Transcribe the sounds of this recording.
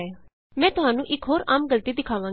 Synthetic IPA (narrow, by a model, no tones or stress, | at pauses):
mɛ̃ːt̪ʊɦaːnũːʔɪkɦoːɾaːmɡəlt̪iːd̪ɪkʰaːʋãː